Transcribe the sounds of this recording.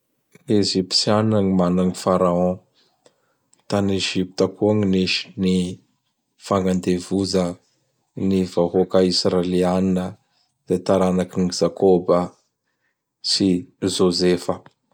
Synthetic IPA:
eʒipi̥siannaŋimanaŋifaɾaɔ̃ | t̪aneʒipi̥t̪akʰuaŋiniʃi̥ni | faŋɡand̪evuzə | nivaɦokaisrelianinə | d̪̥et̪aɾanakinizakʰobə | sizozefə

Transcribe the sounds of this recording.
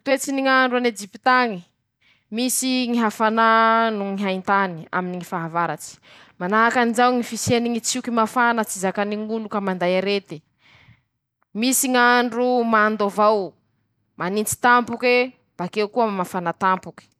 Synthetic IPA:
t̪uwet͡siniŋaɳɖ͡ʐuaned͡ʒipi̥t̪aŋi | misiŋiɦafananuŋiɦaint̪ania̰miniŋifaɦavaɾat͡si̥ | manaɦakanizawŋifiseniŋit͡sukimafanət͡sizakaniŋulukamand̪ajaɾet̪i̥ | misiŋaɳɖ͡ʐumand̪ovaw | manint͡si̥t̪ampuke | b̥akewkumafanat̪ampuki̥

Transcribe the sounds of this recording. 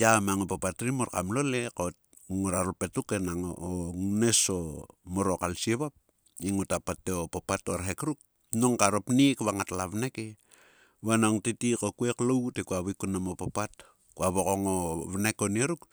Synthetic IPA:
jamaŋopapatɾimoɾkamlole̞kot̚ | ŋuɾaɾupetukenaŋo̰oŋnesomoɾokalsieβap̚ | iŋutapatːeopopatoɾɦekɾuk̚ | noŋkaɾopnikβaŋatlaβneke | βanoŋtitikokueklowtekuaβikunamopapat | kuaβokoŋoβnekonieɾuk

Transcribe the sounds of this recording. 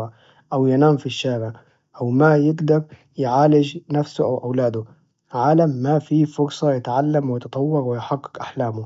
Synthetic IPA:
ʔawjɪnaːmfiʃːaːɾɪʕ | ʔawmajɪɡd̪aɾ | jʕaːlɪd͡ʒnafsʊʔawʔawlaːd̪ʊ | ʕaːlamːafifʊɾsˤɑjɪt̪ʕalːamwɪjt̪ɑt̪ˤɑwːɑɾwɪjħaɡːɪ̥kʔaħlaːmʊ

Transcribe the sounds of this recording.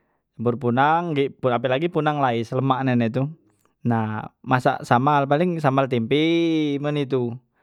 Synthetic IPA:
əbʊrpunaŋɡipuapɛlaɡipunaŋlaisələmaʔnɛnɛt̪̬u | namasa̰ʔsamalpalɪŋsamalt̪impimənit̪̬u

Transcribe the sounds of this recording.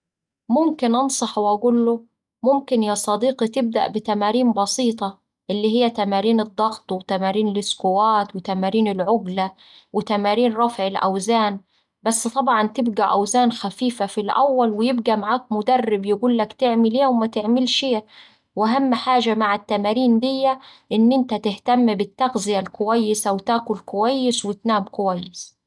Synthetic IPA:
mʊmkɪnʔɑnsˤɑħwʔæɡuːlːʊ | mʊmkɪnjɑːsˤɑd̪iːqit̪ɪb̚d̪a̰ʔbɪt̪æmaːɾiːmbɑsiːt̪ˤɑ | ʔɪlːihɪjːæt̪æmaːɾiːnɨd̪ˤːɑɣt̪ˤwɪt̪æmaːɾiːnlɪskʊwaːt̪wɪt̪amaːɾiːnɪlʕʊɡla | wɪt̪æmaːɾiːnɾˤɑfʕɪlʔæ̰wzaːn | basːt̪ˤɑbʕɑnt̪ɪbɡaʔawzaːnxafiːfafilʔa̰wːalwɪjɪbɡamaʕaːk̚mʊd̪ærːɪbjɪɡuːlːakt̪ɪʕmɪleːwmat̪ɪʕmɪlʃeː | wʔaɦamːħaːʒamaʕat̪ːamaːɾiːnd̪ɪjːaʔɪnːʔɪnt̪at̪ɪht̪amːbɪt̪ːaɣzɪjalkʊwajːɪsawt̪aːkʊlkʊwajːɪswɪt̪naːmkʊwajːɪs

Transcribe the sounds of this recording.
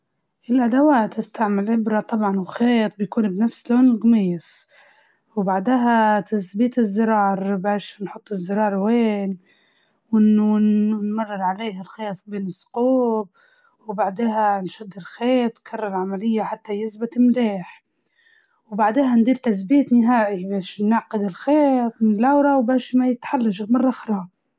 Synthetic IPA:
ʔɪlʔad̪awaːt̪ːɪst̪aʕmɪlʕɪbɾɑt̪ˤɑbʕɑnwxeːt̪̚ˤbɪjkuːnbnafsloːnɪlɣmiːsˤ | wbaʕd̪aɦat̪asbiːt̪ɪzːɪɾˤɑːɾˤbaːʃnħʊt̪ˤːɪzːɪɾˤɑːɾˤweːn | wɪn | nmɑrˤːɪɾʕaleːɦalxeːt̪ˤbeːnɪsːʊ̥quːb̚ | wbaʕd̪eːɦanʃʊd̪ːɪlxeːt̪ˤkʰɑrˤːɑɾˤʕamalɪjːaħat̪ːajɪsbɪt̪ɪmɾeːħ | wbaʕd̪eːɦand̪iːɾt̪as̬biːt̪nɪɦaːʔibaːʃnɪʕqɪd̪ɪlxeːt̪ˤmɪɪlʔawɾˤɑwbaːʃmajɪt̪ħalːaʃɪmɑrˤːɑʔɑxɾhɑ

